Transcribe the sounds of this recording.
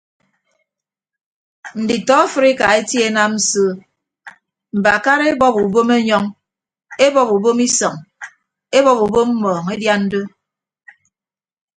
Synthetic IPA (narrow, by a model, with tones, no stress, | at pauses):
n̩˨di˨tɔ˦a˦fɨ˦ɾi˦ka˨e˦tje˦na˦mn̩˦soː˦ | m̩˨ba˨ka˦ɾe˦bɔ˦pu˨bo˦me˦ɲɔ˦ŋ | e˦bɔ˦pu˨bo˦mi˦sɔ˨ŋ | e˦bɔ˦pu˨bo˦mm̩˦mɔː˨ŋe˦dja˦n̩˦do˦